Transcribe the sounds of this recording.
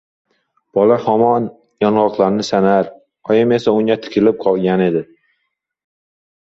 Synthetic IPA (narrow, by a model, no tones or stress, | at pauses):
b̥ɒlahɒmɒn | jɒnʁɒqlˠaɾnɪsanaɾ | ɒjɪme̞saʊŋʲat̪ʰɪ̥kʲʰɪlɪp̚qʰɒlˠɡʲane̞d̪ɪ